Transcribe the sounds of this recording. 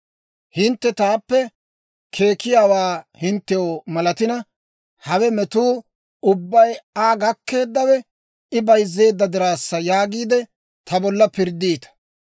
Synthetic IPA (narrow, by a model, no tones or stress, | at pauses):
hɪnt̪ːɛt̪aːpːɛ | kʰe̞ːkːɪjaːwaːhɪnt̪ːɛjomɐlɐt̪ɪnɐ | hɐwɛmɛt̪uː | ʊbːɐjaːɡɐkːe̞ːd̪ːɐwɛ | ɪbɐjzːe̞ːd̪ːɐd̪ɪɾaːsːɐjaːɡiːd̪ɛ | t̪ʰɐbɔlːɐpɪɾd̪iːt̪ɐ̥